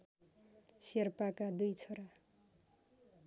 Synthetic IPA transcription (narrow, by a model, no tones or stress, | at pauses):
serpakad̪ujt͡sʰʌɾa